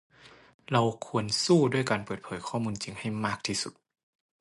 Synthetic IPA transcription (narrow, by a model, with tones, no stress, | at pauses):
la˧wkʰu˧ənsuː˥˩du˥˩əjkaː˨npɤː˨˩t̪̚pʰɤː˨˦jkʰɔː˥˩muː˧nt͡ɕi˨ŋha˥˩jmaː˥˩k̚t̪ʰiː˧˩su˨˩t̪̚